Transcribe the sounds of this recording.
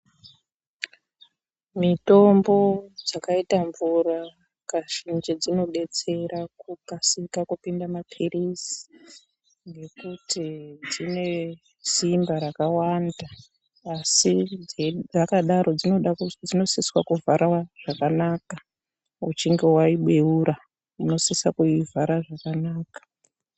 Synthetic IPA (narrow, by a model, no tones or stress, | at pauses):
mito̞mbo̞d͡zakaitaɱvura | kaʃind͡ʒed͡zino̞ɓe̞t͡se̞ɾakukasikakupindamapʰirisi̥ | ŋɡe̞kutid͡zine̞ | simbaɾakawandaː | sied͡zakaɗaɾo̞d͡zioɗad͡zino̞siswakuvʱaɾʔaʐ̥akanaːka | ṵt͡ʃiŋɡe̞waiɓweuɾa | uno̞sisakuivʱaɾaʐakanaːkḁ